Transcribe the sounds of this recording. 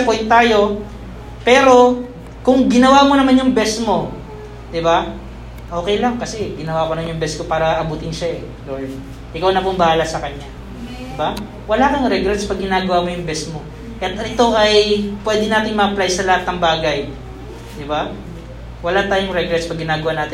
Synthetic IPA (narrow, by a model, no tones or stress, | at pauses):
pojnt̪ːaːjo̞ | pɛːɾo̞ | kʊŋɡɪnɐwamonɐmanjʊŋbɛsmo̞ | d̪ɪba | ʔo̞ːkɛjlɐŋkɐsɛɡɪnɐwakoɐmanjʊŋbɛsko̞paːɾɐʔɐbuːt̪ɪnʃaʔɛ | lolm | ʔɪkawnɐpʊŋbɐhaːlɐsɐkɐɲːa | d̪̥ɪba | wɐlakɐjʊŋɾɛɡɾɛt̪spɐɡ̚ɡɪnaːɡɐwamo̞jʊŋbɛsmo̞ | kɐjɐt̪ɪt̪o̞ʔɐjpwɛːd̪ɪnaːt̪ɪŋmɐʔɐplajsɐlɐhat̪nɐŋbaːɡɐj | d̪ɪba | wɐlat̪aːjʊŋɾɛɡɾɛt̪spɐɡːɪnaːɡɐwaːnaːt̪ɪ